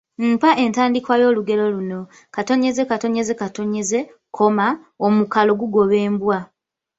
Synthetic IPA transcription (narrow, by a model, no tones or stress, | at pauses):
m̩paʔe̞ntaːndikwajo̞ːluɡe̞lo̞luno̞ | kato̞ɲe̞ze̞kato̞ɲe̞ze̞kato̞ɲe̞ze̞ | kʰo̞ma | omukalo̞ɡuɡo̞βe̞ːmbwa